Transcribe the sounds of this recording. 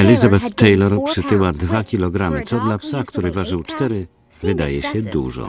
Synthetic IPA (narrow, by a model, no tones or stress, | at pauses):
ɛlʲizabɛt̪ːɛjlɔɾpʂɘt̪ɘwad̪vakʲilɔɡɾamɘt̪sɔd̪lapsakt̪uɾɘvaʐɘwt͡ʂt̪ɛɾɘ | vɘd̪ajɛɕɛd̪ṵʐɔ̰